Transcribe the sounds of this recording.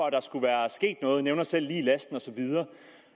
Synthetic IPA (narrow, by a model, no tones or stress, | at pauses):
ɒ̽æd̥ɑ̈sɡ̥uʋæːɐsɡ̥e̝̰ːd̥nɔ̽ːð̞̩ˠneʊnɐsel̰liːlæsd̥n̩ɒ̽sɒ̽ʋið̞ˠɐː